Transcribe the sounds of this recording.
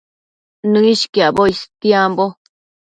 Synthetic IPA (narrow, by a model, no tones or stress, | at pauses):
nɨ̃iʃkiaboist̪jiambo